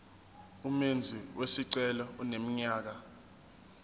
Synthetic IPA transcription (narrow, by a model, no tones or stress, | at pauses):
umend͡zʱiwʔesiǀɛlɔunem̩ɲaːk̬a